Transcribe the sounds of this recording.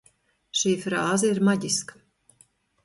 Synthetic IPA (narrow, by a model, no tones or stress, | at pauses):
ʃiːfɾaːzɛiɾmaɟʲiskḁ